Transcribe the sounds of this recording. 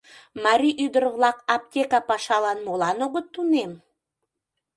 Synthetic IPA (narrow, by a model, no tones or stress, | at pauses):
mɑɾʲiʔyd̪əɾəβlɑkɑp̚tʲekɑpɑʃɑlɑnmolɑnoɣət̪ːunem